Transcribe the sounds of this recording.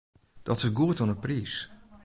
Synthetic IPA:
d̥ɔtɪsɡuətɔnəpriːs

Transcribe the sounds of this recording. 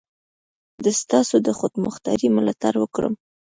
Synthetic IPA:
d̪əst̪ɑsod̪əxod̪mə̰xt̪ɑ̰ɾimɪlat̪aɾwəkɽə̰m

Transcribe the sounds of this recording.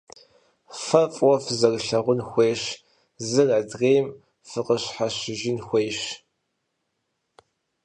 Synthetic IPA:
fɐfʼwɔfzɐrɬɐʁʷʊnxʷeːɕ | zɨrɐdʁeːjm | fɨqəɕħaɕɪʒinxʷeːɕ

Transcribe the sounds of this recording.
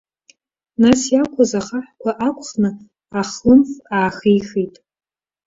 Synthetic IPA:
nasjakʷʰazaχaħkʷʰaʔakʷʰʼχnɨ | aχlɨmfaːχijχitʼ

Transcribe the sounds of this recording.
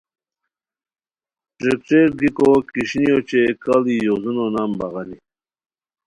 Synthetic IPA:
ʈɾekʈ͡ʂeɾɡikokiɕnijot͡ɕekalijozunonambaɣani

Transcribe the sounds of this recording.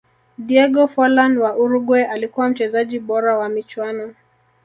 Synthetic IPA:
diɛɡɔfɔlanwaʔuɾuɡwɛʔalikuwam̩t͡ʃɛzaʄiɓɔɾawamit͡ʃwanɔ

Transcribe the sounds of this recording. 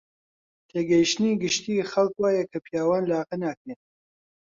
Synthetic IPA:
t̪ʰeːɡɐjʃniːɡɨʃt̪iːxɐlkwaːjɛkʰɐpʰijaːwaːnlaːqɐnaːkeːt

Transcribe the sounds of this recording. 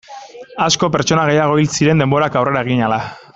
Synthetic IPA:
asko̞p̬e̞ɾt͡ʃo̞naɣe̞jaɣ̞o̞ilsiɾe̞nd̪e̞mbo̞ɾakawre̞ɾae̞ɣ̞iɲala

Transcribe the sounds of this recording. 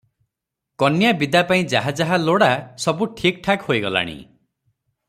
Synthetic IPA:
kɔnjabid̪apaĩd͡ʒaɦad͡ʒaɦaloɽasɔbuʈʰik̚ʈʰakhojɡɔla̰ɽ̃ḭ

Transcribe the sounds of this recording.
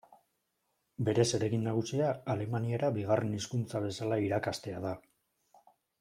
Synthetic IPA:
be̞ɾe̞se̞ɾe̞ɣinːaɣ̞usiaːle̞maniaɾabiɣare̞niskunt͡saβe̞salaiɾakast̪e̞aða

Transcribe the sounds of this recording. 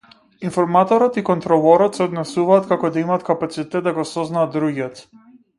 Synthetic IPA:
infɔɾmat̪ɔɾɔt̪ikɔnt̪ɾɔvɔɾɔt̪sɛɔd̪nɛsuvaːt̪kakɔd̪aimaːt̪kapat̪sit̪ɛt̪̚d̪aɡɔsɔznaːd̪d̪ɾuɡɛt̪

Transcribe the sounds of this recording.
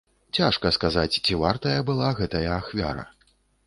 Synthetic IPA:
t͡sʲaʂkɐskazat͡sʲt͡sʲivart̪ɐjɐbɨlˠaɣɛt̪ɐjɐːxvʲa̰ɾɐ̰

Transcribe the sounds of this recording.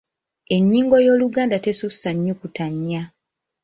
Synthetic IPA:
e̞ɲːiːŋɡo̞jo̞ːluɡaːndatesusaɲːukutaɲːa

